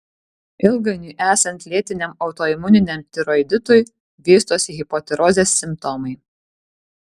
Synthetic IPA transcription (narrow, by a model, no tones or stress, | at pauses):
ɪlˠɡɐnʲuːʔæːsɐnt̪ʲlʲiɛt̪ʲɪnʲɛmɒʊt̪ɔːɪmʊnʲɪnʲɛmt̪ʲɪɾoɪd̪ʲɪt̪ʊj | ʋʲiːst̪oːsʲɣʲɪpɔt̪ʲɛɾɔzʲeːsːʲɪmpt̪ɔmɐɪ